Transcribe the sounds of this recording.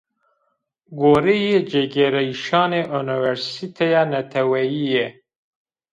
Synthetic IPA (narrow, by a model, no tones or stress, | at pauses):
ɡoːɾejed͡ʒeɡeɾɛiʃɑːneʔuniwɛɾsit̪ʰejɑːnɛt̪ʰɛwɛjijɛ